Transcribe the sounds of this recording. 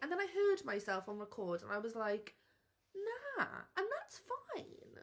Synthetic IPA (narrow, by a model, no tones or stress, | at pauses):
ʔɨ̃nðə̃ñaɪɦɜ˞d̚maɪsɛlˠfn̩ɹəkʰɔɹdə̰̃naɪwʌzlaɪk | næə̃nðætsfãɪ̃n